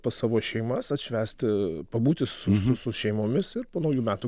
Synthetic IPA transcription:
pɐsɑːʋoːʃʲɛɪmɐsɐt̪ʃʲʋʲæːsʲt̪ʲɪpɐbuːt̪ʲɪssʊsʊsʊʃʲɛɪmoːmʲɪsɪɾpoːnɐʊjuːmʲæːt̪u

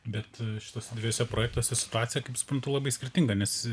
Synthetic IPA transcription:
bʲɛt̪ʃʲɪ̥t̪oːsʲɛd̪ʋʲɪjoːsʲɛpɾoːjɛk̚t̪oːsʲɛsʲɪ̥t̪ʊaːt̪sʲɪjɛkɐɪpsʊ̥pɾɐnt̪ʊlˠɐbɐɪsʲkʲɪɾʲt̪ʲɪŋɡɐnʲɛs

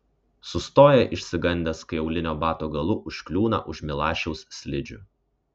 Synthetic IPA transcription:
sʊst̪oːjɛʔɪʃʲsʲɪɡɐnʲd̪ʲeɛskɐɪɛʊlʲɪnʲoːbɑːt̪oːɡɐlˠʊʔʊʃʲkʲlʲuːnɐ̰ʔʊʃʲmʲɪlˠɑːʃʲɛʊssʲlʲɪd͡ʒʲʊ̰

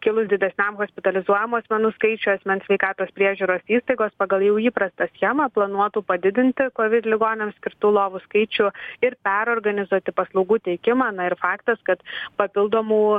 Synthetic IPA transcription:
kʲɪlˠʊsd̪ʲɪd̪ʲɛsʲnʲɛmɣoːsʲpʲɪt̪ɐlʲɪzuɔjɛmuːɐsʲmʲɛnuːskɐɪt͡ʃʲʊɐsʲmʲɛnsʲʋʲɛɪkɑːt̪oːspʲɾʲiɛʒʲuːɾoːsiːst̪ɐɪɡoːspɑːɡɐlˠjɛʊiːpɾɐst̪ɐsʲxʲɛmɐplˠɐnuɔt̪uːpɐd̪ʲɪd̪ʲɪnʲt̪ʲɪkoːʋʲɪd̪ʲlʲɪɡoːnʲɛmsʲkʲɪɾt̪uːlˠoːʋʊskɐɪt͡ʃʲʊɪɾpʲæɾoːɾɡɐnʲɪzuɔt̪ʲɪpɐslˠɐʊɡuːt̪ʲɛɪkʲɪmɐːnɐɪɾfɑːkt̪ɐskɐt̪pɐpʲɪlˠd̪oːmuː

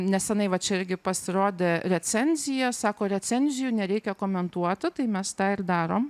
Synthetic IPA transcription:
nʲɛsjʲɪnɐɪʋɐt͡ʃʲɛɪɾʲɡʲɪpɐsʲɪɾoːd̪ʲeːɾʲɛt͡s̪ʲɛnʲzʲɪjɛsɑːkoːɾʲɛt͡s̪ʲɛnʲzʲɪjunʲɛɾʲɛɪkʲɛkoːmʲɛnt̪uɔt̪ʲɪt̪ɐɪmʲɛst̪ɑːɪɾd̪ɑːɾoːm

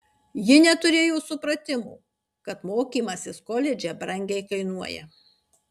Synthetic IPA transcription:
jɪnʲɛt̪ʊɾʲeːjoːsʊpɾɐt̪ʲɪmṵː | kɐt̪moːkʲiːmɐsʲɪskɔlʲɛd͡ʒʲɛbɾɐŋʲɡʲɛɪkɐɪnuɔjɛ̰

